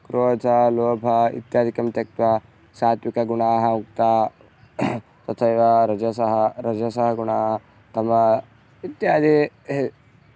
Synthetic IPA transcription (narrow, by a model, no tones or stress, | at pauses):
kɾoːt̪ʰɐloːbʱɐḭt̪jaːd̪ʱikɐmt̪ɐk̚t̪ʋɐ | saːt̪ʋikɐɡuɳaːɦɐukt̪aː | t̪ɐt̪ʰɐjʋɐɾɐd͡ʒɐsɐɦɐɾɐd͡ʒɐsɐɦɐɡuɳaːɦɐ | t̪ɐmɐ | it̪jaːd̪ʱi